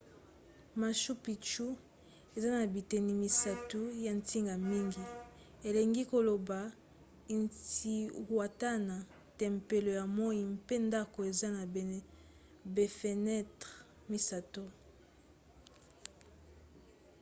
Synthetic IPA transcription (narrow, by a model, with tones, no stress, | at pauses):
ma˨ʃu˦pi˨t͡ʃu˦ | e˨za˦na˨bi˨tɛ˨ni˨mi˨sa˨tu˦ja˨ntʰi˦ŋɡa˨mi˦ŋɡi˨ | e˨le˨ŋɡi˦ko˨lo˨ba˨ | i˨nti˨wa˨ta˦na˨ | tɛ˨mpe˨lo˨ja˨mɔ˦i˨mpe˦nda˦ko˨e˨za˦na˨ | be˨fe˨nɛ˦tʁ | mi˨sa˨to˦